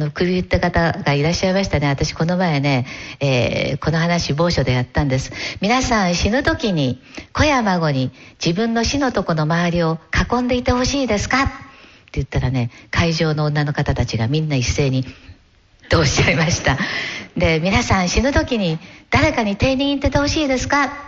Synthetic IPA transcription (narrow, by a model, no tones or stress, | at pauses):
ano̞kɯ̟bʲiɯt̪ːakat̪aɡaiɾaɕːaimaɕi̥t̪ane̞at̪aɕi̥ko̞no̞mae̞ne̞ḛːko̞no̞ɦanaɕibo̞ːɕo̞d̪e̞jat̪ːãnd̪e̞sɨ̥mʲinasãɰ̃ɕinɯ̟t̪o̞kʲiɲ̟iko̞jamaɡo̞ɲ̟id͡ʑibɯ̟̃nːo̞ɕino̞t̪o̞ko̞no̞maaɾʲio̞kakõ̞nd̪e̞it̪e̞ho̞ɕiːd̪e̞sɨ̥kat̪ː | e̞jɯ̟t̪ːaɾane̞kʰaiʑo̞ːnõ̞ːnːano̞kat̪at̪at͡ɕiɡamʲĩnːaise̞ːɲ̟i | t̪o̞ːɕi̥aimaɕi̥t̪ad̪e̞mʲinasãɰ̃ɕinɯt̪o̞kʲiɲ̟id̪̥aɾe̞kaɲ̟it̪e̞ːɲ̟ʲĩɰ̃it̪ːe̞t̪e̞ho̞ɕiːd̪e̞sɨ̥ka